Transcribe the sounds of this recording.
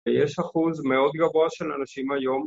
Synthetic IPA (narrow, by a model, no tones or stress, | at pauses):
jeʃaχuzmeo̞d̪ɡavoaʃelanaʃimhajo̞m